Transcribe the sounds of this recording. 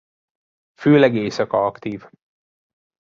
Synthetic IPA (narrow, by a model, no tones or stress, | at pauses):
føːlɛɡeːsɒkɒɒkt̪iːv